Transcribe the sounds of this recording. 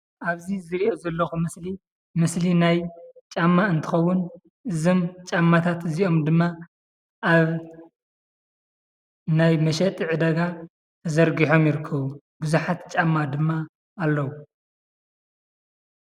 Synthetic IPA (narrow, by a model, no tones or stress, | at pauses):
ʔaβzizɨɾiʔozɐlːɐxumɨsli | mɨslinajt͡ʃʼamːaɨnt̪ʰɨxɐwːʊn | ʔɨzomt͡ʃʼamːat̪ʰat̪ɨziʔo̞md̪ɨmːa | ʔaβ | najmɐʃɐt̪ʼiʕɨd̪ɐɡa | zɐɾɡiħo̞mjɪɾɨkʰːɐβu | bɨzuħat̪t͡ʃʼamːad̪ɨmːaː | lːɐwu